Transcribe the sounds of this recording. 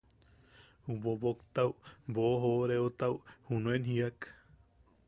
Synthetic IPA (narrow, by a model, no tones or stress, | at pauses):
ubobokt̪awmboɦoɾeot̪awhunuẽnhiak